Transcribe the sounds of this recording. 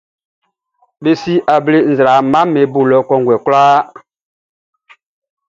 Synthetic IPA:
be˦si˦ʔa˨ble˦n˨zɾa˨˦ma˦me˨˦bu˨lɔ˦kɔ˦ŋɡwɛ˨klaː˦

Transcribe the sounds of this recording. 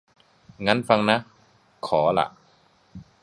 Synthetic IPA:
ŋa˦˥nfa˧ŋna˦˥ | kʰɔː˩˦la̰˧˩ʔ

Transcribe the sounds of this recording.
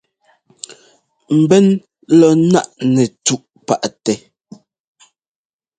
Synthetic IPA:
m̩˨bɛ˦n | lɔ˨na˦ʔnɛ˨tu˦ʔ | pa˨ʔtɛ˨

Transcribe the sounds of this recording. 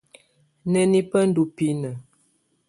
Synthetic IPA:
nɛ˦ni˦pə˦n̩˦du˨pi˦nə˨

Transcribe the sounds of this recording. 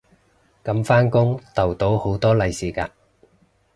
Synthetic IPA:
kɐ˨˧mfaː˥nkʊ˥ŋt̪ɐ˨˩wt̪o˨˥who˨˥wt̪ɔː˥lɐ˨˧jsiː˨˩ka̰ː˧

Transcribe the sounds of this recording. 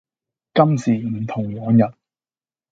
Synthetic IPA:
kɐ˥msiː˨˩m̩˨˩t̪ʰʊ˨˩ŋwɔː˨˥njɐ˨t̚

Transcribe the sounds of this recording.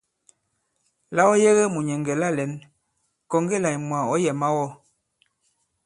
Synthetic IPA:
la˦wɔ˦je˦ɣɛ˦mu˨ɲɛ˨ŋɡɛ˨la˦˨lɛ˨˦n | kɔ˨ŋɡe˦˨la˨jmwa˨ɔ˦jɛ˨ma˦wɔ˦

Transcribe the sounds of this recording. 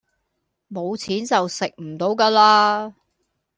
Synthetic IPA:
mo˨˧wt͡sʰiː˨˥nt͡sɐ˨wsɪ˨k̚m̩˨˩t̪o˨˧wka˧laː˧

